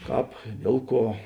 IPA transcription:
ˈkɑːp ˈdʲiɛlˠ ˌkuɔ

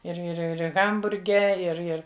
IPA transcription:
ɪr ɪr ˈɪr ˈɣɐmbʊrʲɡʲɛ ɪr ˈɪr

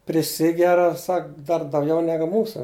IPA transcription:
pʲrʲɪˈsʲɪɡʲɛrɐ ˈsɐk dɐr dɐʊˈɡʲɛʊ ˈnʲæːɡʊ ˈmuːsɐ

